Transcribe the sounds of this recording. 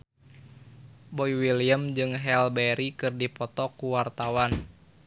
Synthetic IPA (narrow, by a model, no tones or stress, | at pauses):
boiwiliəmd͡ʒɨŋɦɛlbɛɾikɨrdipɔt̪ɔkuwart̪awan